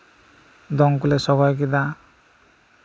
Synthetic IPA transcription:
d̪ɔŋkulesɔbajk̬id̪a

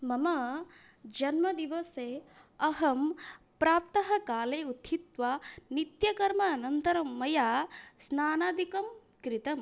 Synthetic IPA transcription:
mɐmɐ | d͡ʒɐnmɐd̪iʋɐseː | ɐɦɐm | pɾaːp̚t̪ɐɦɐ̆kaːleːut̪ʰit̪ʋanit̪jɐkɐɾmɐːnɐnt̪ɐɾɐmːɐjaːsnaːnaːd̪ʱikɐm | kɾit̪ɐm

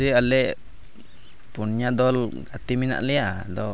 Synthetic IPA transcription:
ialɛʔ | punɲadɔlɡat̪imina̰ʔliadɔ

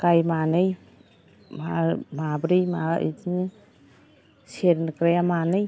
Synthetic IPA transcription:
kajmanɯj | mamabɾɯjmaḭd͡ʒni | seɾnkɾajamanɯj

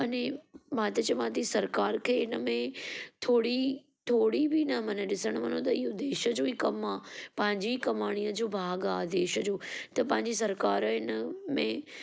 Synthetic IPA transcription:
ɐnẽmãt̪ɐt͡ɕɐmãt̪̬isɐɾkaːɾkʰeːɪnəmẽt̪ʰoːɽi | t̪ʰoːɽibʱinɐmɐnẽɗɪsəɽ̃ʋɐnõt̪ɐɪɦod̪eːʃə̆d͡ʑoːikɐmaːpɐ̃ɦɪ̃ɲd͡ʑikɐmaːɽ̃ijəd͡ʑoːbʱaːɡaːd̪eːʃəd͡ʑoːt̪ɐpɐ̃ɦɪ̃ɲd͡ʑis̬ɐɾkaːɾəɪnəmẽ

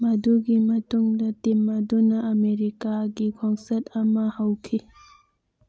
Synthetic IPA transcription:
mɐduɡimɐtuŋdɐtimːɐdunɐʔːmeɾikaɡikʰɔŋsɐtɐmɐhɐwkʰi

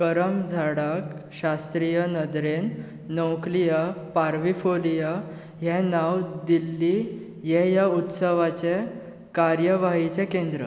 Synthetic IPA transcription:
kəɾəmd͡zʱaɽakɕast̪ɾijənəd̪ɾenː | əwklijəpaɾʋifolijə | ɦɛnawd̪ilːi | jɛjaut̪səʋat͡ɕe | kaɾjəʋaɦit͡ɕɛkẽnd̪ɾə̰

